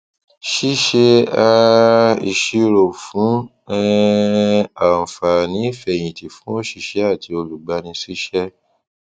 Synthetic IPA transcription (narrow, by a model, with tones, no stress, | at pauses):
ʃi˦ʃe˧a˧i˨ʃi˧ɾo˨fũ˨˦ | ɛ˦ | a˨fa˨nĩ˨˦i˦˨fɛ˨j̃ĩ˨ti˨fũ˦o˦ʃi˦˨ʃɛ˨˦a˦˨ti˧o˧lu˨ɡ͡ba˨˦nĩ˧˦si˦ʃɛ˦